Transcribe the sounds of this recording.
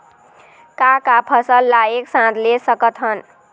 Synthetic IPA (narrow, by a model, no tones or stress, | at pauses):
kakapʰəsəlːaeksãt̪lesəkət̪ɦən